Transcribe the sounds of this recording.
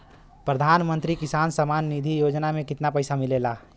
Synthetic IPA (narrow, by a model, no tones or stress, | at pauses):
pɾəd̪ʱaːnmə̃nt̪ɾikɪsaːnsəmaːnːid̪ʱijoːd͡ʒnamẽkɪt̪napəɪsamɪlela